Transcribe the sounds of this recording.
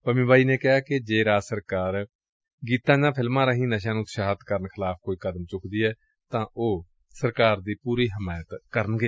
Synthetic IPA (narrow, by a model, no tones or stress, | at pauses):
pəmĩːbaːiːneːkɪɦaːkɪd͡ʒeːɾaːsəɾkaːɾ | ɡiːt̪ãːd͡ʒãːpʰɪlmãːɾaːɦĩːnəʃ̬ãːnũːt̪ʃaːət̪kəɾənkʰɪlaːpkoːiːkəd̪əmt͡ʃʊkʰd̪iːɛː | t̪ãːʔoː | səɾkaːɾd̪iːpuːɾiːɦəmaːjət̪kəɾənɡeː